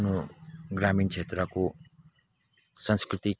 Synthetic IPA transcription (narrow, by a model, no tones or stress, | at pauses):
noɡramint͡sʰet̪rʌko | sʌ̃nskrit̪i